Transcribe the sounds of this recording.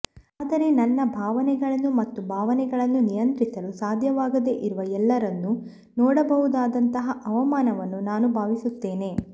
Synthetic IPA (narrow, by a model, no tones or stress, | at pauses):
aːd̪ɐɾe̞nɐnːɐbʱaːʋɐnɛɡɐɭɐnːumɐt̪ːubʱaːʋɐnɛɡɐɭɐnːunijɐnt̪ɾisɐlusaːd̪ʱjɐʋaːɡɐd̪e̞ʔiɾuʋɐɛlːɐɾɐnːu | nɔːɽɐbɐɦud̪aːd̪ɐnt̪ɐɦɐʔɐʋɐmaːnɐʋɐnːunaːnubʱaːʋisut̪ːe̞ːne̞